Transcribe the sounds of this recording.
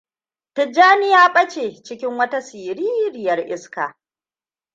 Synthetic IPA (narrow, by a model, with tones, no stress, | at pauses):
tɪ˨d͡ʒːaː˦nɪ˦jaː˦ɓʼɐ˦t͡ʃeː˨t͡ʃɪ˦kʲɪ˦ŋwɐ˦ta˦siː˨ɾiː˦ɾɪ˨jɐ˨rʔɪ˦skaː˨